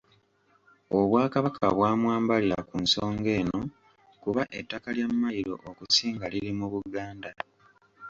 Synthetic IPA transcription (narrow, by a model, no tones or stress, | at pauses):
oβwaːkaβakʰaβwaːmwaːmbaliɾakunso̞ːŋɡe̞ːno̞ | kuβaʔetːakaljamːajiɾo̞̰ʔokusiːŋɡaliɾimuβuɡaːnda